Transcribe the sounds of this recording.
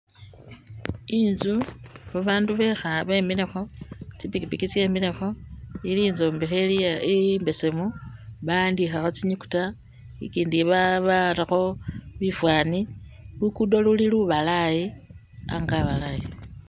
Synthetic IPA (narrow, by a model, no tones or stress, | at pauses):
inzuβaβaːnduβe̞xaβemile̞xo̞t͡sipikipikit͡sje̞ːmile̞xo̞iliːnzombixeliambe̞semuβandixaxo̞t͡siɲuku̥ta | ḭkiːndiβaβaɾaxo̞βifwaːnilukudo̞luliluβalaji | a̰ŋɡaβalaji